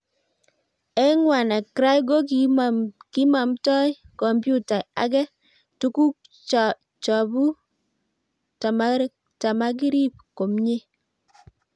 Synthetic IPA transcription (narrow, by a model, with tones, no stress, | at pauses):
ɛ˦ŋwa˨na˨kɾa˦jɡo˦k | ki˦ma˨mtɔ˦j | kɔ˨mbju˦ta˨a̰˨k̬ɛ˦ | tu˦ku˦˨ | t͡ʃɔ˨bu˦ | ta˨ma˦ | ta˨ma˦k̬i˦ɾi˦p̚ko˨mɲe˦